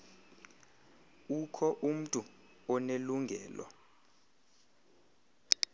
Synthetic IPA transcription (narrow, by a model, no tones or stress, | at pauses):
ukʰɔʔum̩tʼu | ɔneluŋɡʱɛːlwɔ̰